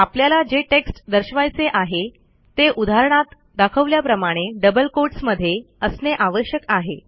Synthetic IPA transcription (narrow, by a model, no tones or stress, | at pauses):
apljalad͡ʑeʈeksʈd̪əɾɕʋajt͡seʔaɦe | t̪eʔud̪ʱaɾəɳ̃at̪ | d̪akʰəʋljapɾəmaɽ̃eɖəbəlkoɾʈsməd̪ʱːje | əsneʔaʋəɕjəkaɦe